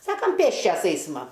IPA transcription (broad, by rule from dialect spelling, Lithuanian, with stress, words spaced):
ˈsɑːkɐm ˈpʲeːsʲt͡ʃʲɛs ˈɛɪsmɐ